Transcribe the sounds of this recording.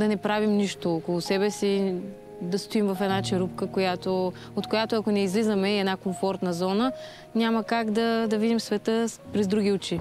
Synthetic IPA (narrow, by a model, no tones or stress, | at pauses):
d̪ɐnɛpɾavimniʃt̪oːkolˠosɛbɛsi | d̪ɐst̪oimvɐfɛd̪nat͡ʃɛɾupkəkojat̪o | ot̪kojat̪oɐkonɛizlizəmɛiɛd̪nakoɱfɔɾt̪nəzɔnə | nʲaməkaɡd̪ɐd̪ɐvid̪imsvɛt̪əpɾɛzd̪ɾuɡʲiut͡ʃi